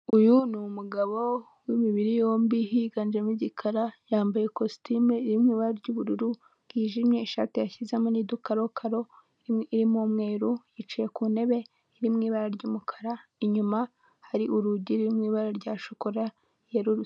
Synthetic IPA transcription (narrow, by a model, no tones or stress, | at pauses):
ujunumuɡaβo̞ | wimiβiɾijo̞ːmbiɦiɡand͡ʒemiɟikʰaɾajaːmbaje̞kostimiɾimŋiːβaɾaɾɟuːβuɾuɾu | ɡ̥iːʒimɲe̞ʃa̰ːtijaçizemonidukaɾo̞kʰaɾo̞ | iɾimumŋeːɾujit͡ʃije̞kune̞βe̞ | iɾimŋiːβaɾaɾɟuːmukʰḁɾaiɲuma | haɾiʔuɾuɟiɾiɾimŋiːβaɾaɾɟaːʃokoɾa | jeɾuɾu